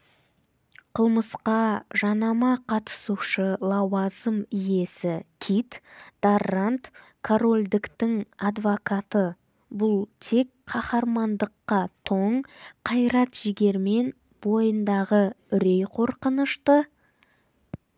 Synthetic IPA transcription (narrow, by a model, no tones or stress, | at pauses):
qʰəlˠməsqɑʒɑnɑmɑqʰɑt̪ə̥suʃəlˠɑwɑzəmije̞sɪkʲʰit̪d̪̥arant̪ | kʰoɾo̞lʲd̪ɪkt̪ɪŋɑd̪vokɑt̪ə | bʊlˠt̪ʰe̞kqʰɑχɑɾmɑnd̪əqːɑt̪ʰoɴqʰɑjɾɑt̪ʒ̥ɪɡʲe̞ɾme̞n | bo̞jənd̪ɑʁə | ʏɾe̞jqʰo̞ɾqənəʃt̪ə